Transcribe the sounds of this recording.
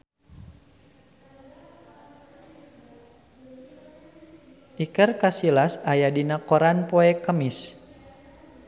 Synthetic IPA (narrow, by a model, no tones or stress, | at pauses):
ʔikərkasilasajadinakɔɾanpoɛkəmis